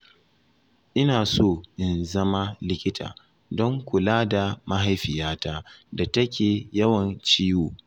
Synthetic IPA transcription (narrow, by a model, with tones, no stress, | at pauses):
ʔɪ˦naː˨soː˦˨ʔɪ˨nzɐ˦ma˦lɪ˦kʲɪ˦tʰa̰ː˨ | dɔ˦ŋkʷʊ˨laː˦da˨ma˦ɦa˦jɸɪ˨jaː˦taː˦da˨tɐ˦kʲeː˨jɐ˦wɐ˨nt͡ʃiː˦joː˨